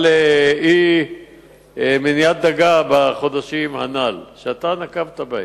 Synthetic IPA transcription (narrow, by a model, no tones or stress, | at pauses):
lei | minijat̪̚d̪aɡabaχo̞d̪aʃimha̰nalʃeat̪anakavt̪abaj